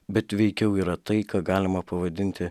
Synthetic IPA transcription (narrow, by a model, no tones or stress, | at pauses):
bʲɛt̪ʋʲɛɪkʲɛʊiːɾɐt̪ɐɪkɑːɡɑːlʲɪmɐpɐʋɐd̪ʲɪnʲt̪ʲɪ